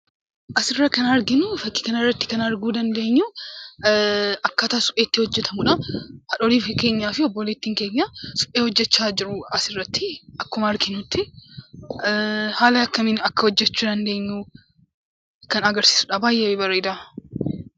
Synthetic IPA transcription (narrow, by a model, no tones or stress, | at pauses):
ʔɐsɪrːɐkɐnɐɾɡɪnʊfɐkːɪ̥kɐnɪrːɐt̪ːɪ̥kɐnɐɾɡuːd̪ɐnd̪e̞ːɲːuː | ʔɐkːɐt̪aːsʊ̥pʼːeːt̪ːɪhɔd͡ʒːɛt̪ʰɐmʊᶑɐhɐᶑɔɾiːfɪke̞ːɲːaːfɪɔbːɔleːt̪ːiːŋke̞ːɲːasʊ̥pʼːeːhɔd͡ʒːɛt͡ʃːaːd͡ʒɪɾʊɐsɪrːɐt̪ːɪʔɐkːʊmɐɐɾɡɪnʊt̪ːɪ | haːlɐɐkːɐmɪnɐkːɐhɔd͡ʒːɛt͡ʃːuːd̪ɐnd̪e̞ːɲːuː | kɐnɐɡɐɾsi̥ːsʊᶑɐbaːjʔewebɐɾeːd̪a